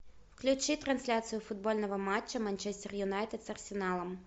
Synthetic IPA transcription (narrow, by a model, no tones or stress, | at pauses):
wklʲʊt͡ʃɪt̪ɾɐnsʲlʲasʲijʊfʊd̪̚bɔlʲnɔʋɔmɑt͡ʃːɐmɐnʲt͡ʃɛsʲt̪ʲɛrjʊnɑjt̪et̪sɐrsʲenɑlˠɐm